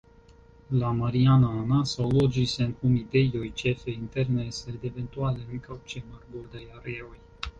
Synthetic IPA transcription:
lamaɾianaːnasawlod͡ʒisenkumid̪ejojt͡ʃefeint̪ernesed̪event̪ualeikawt͡ʃemarbord̪ajareoj

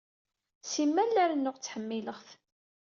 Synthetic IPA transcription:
simːælːæɾnːʊʁt͡sːħəmːiləʁθ

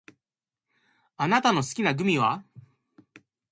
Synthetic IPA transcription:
anat̪ano̞sɨ̥kʲinaɡɯ̟mʲiβa

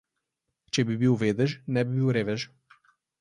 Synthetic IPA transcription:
t͡ʃebibiwved̪əʒnɛbibiwɾeveʒ

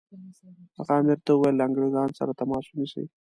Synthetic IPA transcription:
aɣɑmɪɾt̪awəwajlːaaŋɡɽezɑnsa̰ɾat̪amɑswuniʃḭ

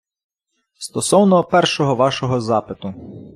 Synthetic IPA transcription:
st̪ɔsɔwnɔpɛrʃɔɦɔʋɑʃɔɦɔzɑpɪt̪ʊ

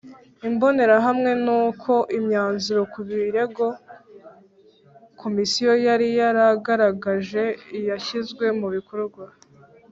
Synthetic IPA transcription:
imbo̞ne̞ɾaɦamŋe̞nuːkʰo̞ʔimɲaːnzuɾo̞kuβiɾe̞ɡo̞ | kʰo̞misijo̞jaɾijaɾaɡaɾaɡaʒe̞jaçizɡwe̞muβikoɾɡwa

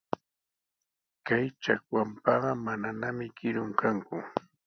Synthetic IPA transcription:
kajt͡ʃakwampɑɢɑmananamɪkɪɾʊŋkaŋkʊ

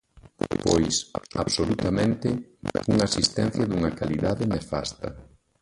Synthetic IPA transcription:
po̰jsaβsolut̪amẽnt̪ɪuŋaasist̪ɛ̃n̟θjɐðuŋɐkaliðaðɪnefa̰st̪ɐ̰

